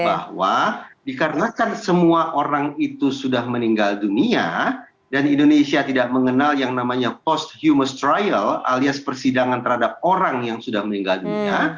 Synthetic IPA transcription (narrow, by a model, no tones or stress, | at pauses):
ba̰hwadikaɾənakansəmuaʔoɾaŋit̪usudahməniŋɡaldunia | danindonesiat̪idaʔ̚məŋənaljaŋnamaɲapɔst̪̚hjuməst̪ɾajəla̰liaspərsidaŋant̪ərhadap̚oɾaŋjaŋsudahməniŋɡaldunia